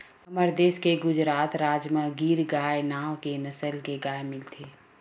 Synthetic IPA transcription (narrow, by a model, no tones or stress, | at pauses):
ɦɐməɾd̪eːskeɡʊd͡ʒɾaːt̪ɾaːd͡ʒmə̃ɡiːɾɡaːenaːʋkenɐsəlkeɡaːemɪlt̪ʰeː